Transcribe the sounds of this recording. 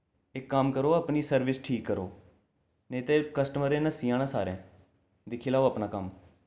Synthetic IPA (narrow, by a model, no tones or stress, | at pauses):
ɪkːəmkəɾoːəpniːsəɾʋɪsʈʰiːkːəɾo̰ː | neːt̪eːkəsʈəməɾẽːnəsiːãːnãːsa̰ːɾẽː | d̪ɪkʰiːlaːoəpnãːkəm